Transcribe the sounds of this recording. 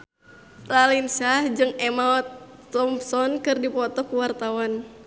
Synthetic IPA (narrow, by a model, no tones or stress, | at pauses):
t̪alinsad͡ʒɨŋɛmaɔt̪̚ːɔmpsɔnkɨrdipɔt̪ɔkuwart̪awan